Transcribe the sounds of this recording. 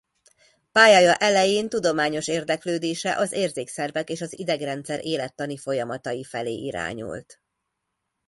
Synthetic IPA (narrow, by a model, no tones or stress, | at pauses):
paːjɒjɒʔɛlɛjeːnt̪ud̪o̞maːɲo̞ʃeːrd̪ɛkløːd̪eːʃɛʔɒzeːrzeːksɛrvɛkeːʃɒzid̪ɛɡrɛnt̪sɛɾʔeːlɛt̪ːɒnifo̞jɒmɒt̪ɒjifɛlḛːʔiɾa̰ːɲṵlt̪